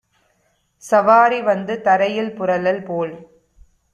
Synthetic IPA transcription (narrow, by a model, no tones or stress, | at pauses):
sɐʋaːɾiʋɐnd̪ɯt̪ɐɾɐjɪlpʊɾɐlɐlpoːl